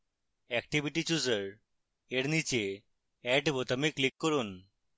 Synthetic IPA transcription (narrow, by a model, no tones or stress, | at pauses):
ɛkʈibʱiʈit͡ɕuzəɾ | eɾnit͡ɕe | ɛʈbot̪amiklikːoɾun